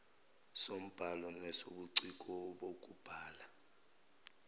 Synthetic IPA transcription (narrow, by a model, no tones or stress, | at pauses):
som̩b̥ʱalɔnɛsoɓuǀik̬ʼɔɓok̬ʼub̥ʱaːla